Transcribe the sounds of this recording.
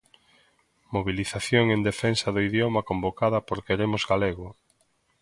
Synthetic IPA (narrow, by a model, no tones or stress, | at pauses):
moβ̞iliθaθjoŋend̪efensɐðoiðjomɐkombokaðɐpoɾkeɾemʊzɡaleɣʊ